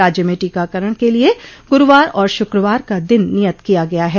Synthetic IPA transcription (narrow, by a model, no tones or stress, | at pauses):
aːd͡ʒjəmẽʈiːkakɐɾəɽ̃kelieɡʊɾʊʋaːɾɔːɾʃʊkɾəʋaːɾkad̪ɪnːijət̪kijaɡɐjaɦɛː